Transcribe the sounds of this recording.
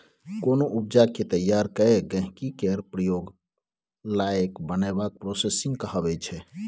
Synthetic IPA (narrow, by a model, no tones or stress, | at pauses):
konoʔup̚d͡ʒaket̪əjaɾkəeɡə̃ɦkikeɾpɾəjoɡ | laekbənabak̚pɾosesiŋɡkəɦəbɛt͡ʃʰɛ